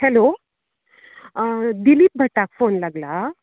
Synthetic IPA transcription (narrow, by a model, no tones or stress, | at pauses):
hɛlo | d̪iliːp̚bʱəʈːakfonlaɡla